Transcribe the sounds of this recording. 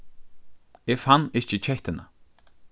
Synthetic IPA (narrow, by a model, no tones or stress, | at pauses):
ɪfanːɪçt͡ɕɪt͡ɕʰɛht̪ɪna̰